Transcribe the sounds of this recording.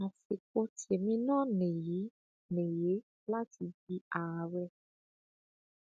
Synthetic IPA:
a˨fe˨ko˦tʰe˨mĩ˧˦nã˦nẽ˨je˨˦ | nẽ˨je˨˦ | la˦ti˧bi˦a˨wɛ˧

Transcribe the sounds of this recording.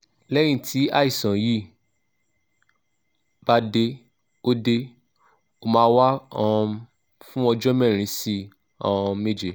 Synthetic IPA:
lɛ˦ɾ̃ĩ˦˨tʰi˨˦a˦i˦˨sɔ̃˨ji˦˨ | b̥a˦de˧ | o˦de˧ | o˧mãː˧˦wa˦ɔ̃˦˧ | fũ˦ɔ˧d͡ʒɔ˦mɛ˦˨ɾ̃ĩ˨˧˦si˦ | ɔ̃˧˨˧me˦˨d͡ʒe˨˦

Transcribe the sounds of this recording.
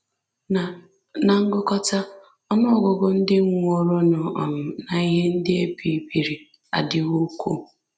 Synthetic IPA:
na˨ŋ̩˦ɡʊ˦kɔ˦ta˦ | ɔ˦nɔ˦˨ɡɔ˨ɡɔ˨n̩˦dɪ˦ŋ̩ʷ˦o˨ɾo˦nɔ˨ʔɔ˨m̩˨na˨i˦ɦe˦n̩˦dɪ˦e˦pi˨bi˨ɾi˨ | a̰˨dɪ˨ɣʊ˦kʷu˦

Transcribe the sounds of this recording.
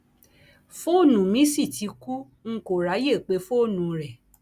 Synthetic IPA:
fo˦˨nũ˨mĩ˨˦si˦˨ti˨˧ku˦ | ŋ̩˦˨ko˨ɾa˨˦je˦˨k͡pe˧˦fo˦˨nũ˨˧ɾɛ˨

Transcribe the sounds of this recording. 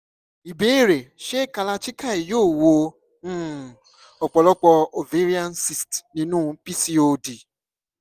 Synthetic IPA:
i˨be˨˦i˦˨ɾe˨ʃe˦˨ka˧la˧t͡ʃi˦ka˦˨i˨joː˦˨wõ˧˦˨ | ɔ˨k͡pɔ˧lɔ˦k͡pɔ˧o˨ve˨˦ɾi˦a˦n˦si˨stnĩ˧˦nũ˦pi˦si˦o˧di˨

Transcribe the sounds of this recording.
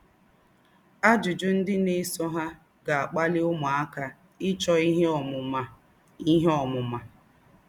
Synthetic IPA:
a˦d͡ʒʊ˨d͡ʒʊ˦n̩˦dɪ˦ne˦sɔ˦ɦa˦ | ɡa˨a˨k͡pa˦lɪ˦ʊ˦mʊ˨a˦ka˨ | ɪ˦t͡ʃɔ˦i˦ɦe˦ɔ˨mʊ˨ma˨ | i˦ɦɔ˨mʊ˨ma˨

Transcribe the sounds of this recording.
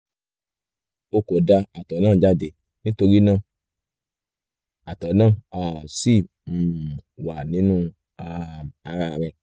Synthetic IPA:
o˧ko˨da˧a˨tɔ˨˦nãː˦˨d͡ʒa˧de˨ | nĩ˦to˧ɾi˦nã˦˨ | a˨tɔ˨nãː˦˨a˨si˦˨ | m̩˨wa˨nĩ˨˦nũ˦ | a˧a˧ɾa˧˨ɾɛ˧˨

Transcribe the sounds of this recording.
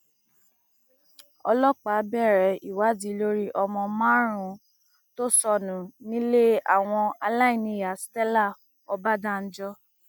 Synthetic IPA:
ɔ˧lɔ˦k͡pa˨˦bɛ˦˨ɾɛ˨˦i˨wa˨˦di˨˦lo˦ɾi˦ʔɔ˧mɔ̃˧mã˦ɾ̃ũ˨˦ | to˦sɔ˦˨nũ˨˦nĩ˦le˦a̰˦˨w̃ɔ̃˧a˧la˦ĩ˦˨nĩ˧˨ja˨stɛ˦la˦˨ | ɔ˧ba˦da˦˨n̩˦d͡ʒɔ˧

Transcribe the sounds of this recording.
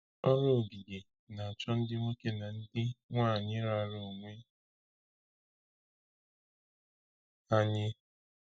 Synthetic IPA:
ɔ˦ɾo˦˨ɡi˨ɡe˨ | na˨a˨t͡ʃɔ˦n̩˦dɪ˦ŋʷe˦ke˦na˨n̩˦dɪ˦ŋʷaː˦˨ɲɪ˦ɾa˨˦˨ɾo˨o˨ŋʷe˦ | a˦ɲɪ˦

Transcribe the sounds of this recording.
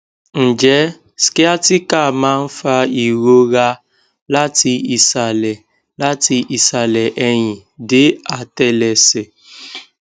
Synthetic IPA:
n̩˨d͡ʒɛ˦ | ske˦a˦tɪ˦ka˨ma˦n̩˦fa˦i˨ɾo˦ɣa˦ | la˦ti˦i˨sa˨lɛ˨ | la˦ti˦ʔi˨sa˨lɛ˨ʔe˦ɲɪ˨dɪ˦a˨tɛ˦lɛ˨se˨

